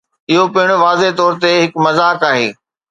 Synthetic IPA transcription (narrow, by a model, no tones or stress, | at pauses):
ɪɦopɪɦɪɽ̃ʊʋaːzet̪ɔːɾt̪eɦɪkmɐzaːkaːɦeː